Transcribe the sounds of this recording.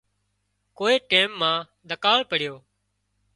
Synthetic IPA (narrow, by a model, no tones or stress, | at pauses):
koːeːʈeːmːãː | d̪ʱəkaːlpəɽ̤ɪjoː